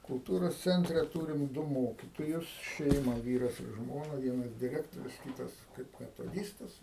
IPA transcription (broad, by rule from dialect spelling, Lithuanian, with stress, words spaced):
kʊlˠˈtuːroːs ˈt͡sʲɛnʲtʲrʲɛ ˈtuːrʲɪm ˈdʊ ˈmoːkʲɪtoːjʊs ˈʃʲɛɪmɐ ˈʋʲiːrɐs ɪr ˈʒmoːnɐ ʋʲiɛˈnɐs dʲɪˈrʲæːktoːrʲʊs ˈkʲiːtɐs kɐɪp mʲɛtoːˈdʲiːstɐs